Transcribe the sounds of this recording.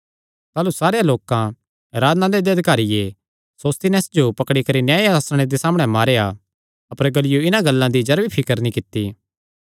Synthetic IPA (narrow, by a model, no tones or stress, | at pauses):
t̪aːlusaːɾejaloːkã | ɾaːd̪nãd̪ed̪eɐd̪ʱɪkaːɾɪje | soːst̪inɛːsd͡ʒopɐkɽikɐɾinjaːeaːsɽ̃ed̪esaːmɽ̃ɛmaːɾea | ɐpəɾɡɐlɪjoɪnãɡɐlːãd̪id͡ʒɐɾʋipʰɪkəɾnĩkɪt̪ːiː